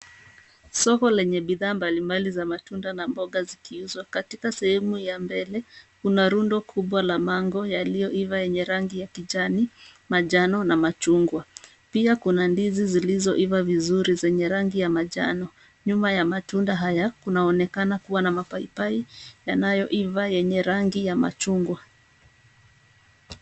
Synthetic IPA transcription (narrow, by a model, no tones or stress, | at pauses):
sɔkɔlɛɲɛɓiðaːmbalimbalizamatundanambɔɠazikʰiuzwakatikasɛhɛmujambɛlɛkunaɾundɔkʰuɓwalamaŋɡɔjalijɔʔivajɛɲɛɾaŋɡijakiʄanimaʄanɔnamat͡ʃuŋɡwa | piakunandizizilizɔʔivavizuɾizɛɲɛɾaŋɡijamaʄanɔ | ɲumajamatundaɦajakunaɔnɛkanakuwanamapaipaijanajɔʔivajɛɲɛɾaŋɡijama̰t͡ʃuŋɡwa